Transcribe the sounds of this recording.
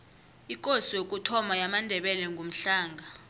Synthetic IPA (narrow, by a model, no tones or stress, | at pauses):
ikʼosijok̬ʼutʰɔmajamandʱɛɓɛlɛŋɡʱom̩ɬaːŋɡʱa